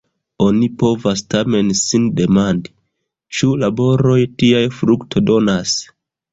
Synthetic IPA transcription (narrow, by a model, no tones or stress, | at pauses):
o̞nipo̞vastame̞nsinde̞mandi | t͡ʃulabo̞ɾo̞jtiajfɾuktʰo̞do̞nas